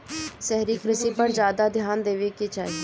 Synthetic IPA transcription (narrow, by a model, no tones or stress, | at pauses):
sɛɦɾiːkɾɪsiːpəɾzjaːd̪ad̪ʱjaːnd̪eːʋeːkit͡ʃaːiː